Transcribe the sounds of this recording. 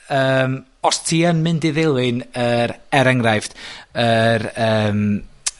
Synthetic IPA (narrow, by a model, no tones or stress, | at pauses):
əːm | ɔstʰiːəmːɨndɪðelˠɨnəɾɛɾəŋrajfd̥əɾəːm